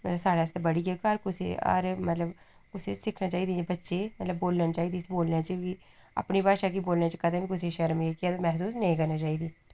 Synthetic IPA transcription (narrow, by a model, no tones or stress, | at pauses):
mət̪ləbsaːɽest̪ebəɽiːɡekəɾkʊsḛːə̰ɾmət̪ləb | kʊseːsɪkʰnaːt͡ʃaːiːd̪ibətːʃeːmət̪ləbːoːlnənt͡ʃaːiːd̪iːsboːlnaːt͡ʃəki | a̰pniːbaːʃaːkiboːlnaːt͡ʃəkəd̪aːbiːkʊs̬eʃəɾmeːkiɛːt̪ːmɛːɦs̬uːsnəĩːkəɾnaːt͡ʃaːiːd̪iː